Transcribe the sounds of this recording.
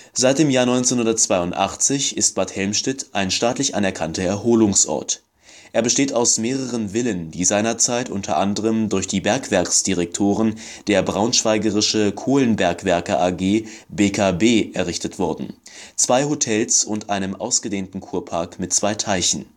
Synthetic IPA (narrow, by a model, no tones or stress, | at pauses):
z̥aɪt̚d̥eːmjaːɐnɔʏnt͡senhʊndɐtt͡sv̥aɪʊntʔa̰χt͡sɪçɪst̚b̥athɛlmʃtɪtʔaɪnʃtaːtlɪçʔanɛɐkʰantɐɛɐɦoːlʊŋsʔɔ̰ɐt | ʔeːɐbəʃteːtaʊsmeːʁəʁənvɪləndiːzaɪnɐt͡saɪtʔʊntʰɐ̰ʔandəʁəmdʊɐçd̥iːbɛɐkv̥ɛɐksd̥iʁɛk̚tʰoːʁən | d̥eːɐbʁaʊnʃv̥aɪɡəʁɪʃəkʰoːlənbɛɐkv̥ɛɐkɐʔaɡeːbeːkʰabeːʔɛɐʁ̞ɪçtətv̥ɔɐdn̩t͡sv̥aɪhotʰɛlsʊntʔaɪnəmʔa̰ʊsɡ̥ədeːntn̩kʰuːɐpʰaɐkmɪtt͡sv̥aɪtʰaɪçn̩